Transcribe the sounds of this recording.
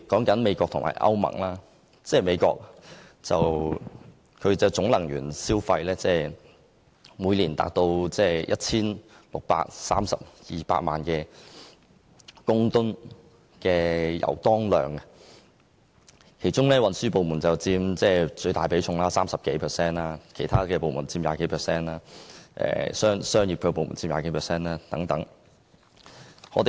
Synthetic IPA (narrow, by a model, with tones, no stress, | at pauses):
kɔː˨˥ŋkɐ˨˥nme˨˧jkʷɔː˧k̚t̪ʰʊ˨ŋma̰ː˨˩jʔɐ̰˥wmɐ̰˨˩ŋlaː˥ | t͡sɛː˥˧me˨˧jkɔ̰ː˧k̚t͡sɐ˨w | kʰɵ˨˧ɥt͡sɐ˨˩wt͡sʊ˨˥ŋlɐ˨˩ŋjyː˨˩nsiː˥wfɐ˧jlɛː˥t͡sɛː˥˩ | muː˨˧jliː˨˩nt̪a̰ː˨k̚t̪o˧wt͡sɛː˥˩jʔɐ˥t̚t͡sʰiː˥n | lʊ˨k̚pa̰ː˧k̚saː˥msɐ̰˨p̚jiː˨pa̰ː˧t̚ma̰ː˨nkɛː˧ | kʊ˥ŋt̪ʊ˥n | kɛː˧jɐ̰˨˩wt̪ɔː˥ŋlœ̰ː˨˩ŋɐ | kʰe˨˩jt͡ʃʊ˥ŋlɛː˥wɐ˨nsyː˥po˨wmuː˨˩nt͡sɐ˨wt͡siː˧mt͡sɛː˥˩t͡ʃɵ˧ɥt̪aː˨jpe˨˥jt͡ʃʰʊ˧ŋlaː˥saː˥msɐ˨p̚ke˨˥jpʰɛ˨˩sɛː˥naː˧kʰe˨˩jt̪ʰaː˥kɛː˧po˨wmuː˨˩nt͡siː˧mja̰ː˧ke˨˥jpʰɛː˨˩sɛː˥naː˥ʔɛ̰ː˨sœː˥ŋsœː˥ŋjiː˨p̚kʰːp̬o˨wmṵː˨˩nt͡siː˧mja̰ː˧ke˨˥jpʰɛ˨sɛː˥naː˥t̪ɐ˨˥ŋt̪ɐ˨˥ŋ | ŋɔ̰ː˨˧t̪e˨